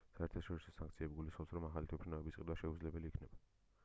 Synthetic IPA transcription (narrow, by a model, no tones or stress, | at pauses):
saɛɾt̪ʰaʃɔɾisɔsaŋk̚ʰt̪sʰiɛbiɡulisχɔpsɾɔmaχalit̪ʰwɛpʰɾinavɛbisʼid̪waʃɛud̪zlɛbɛliːkʰnɛba